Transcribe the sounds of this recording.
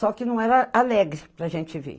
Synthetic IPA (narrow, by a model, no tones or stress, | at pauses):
sɔkɪnɐ̃w̃ɛɾɐalɛɡɾɪpɾɐaʒẽt͡ʃɪvḛ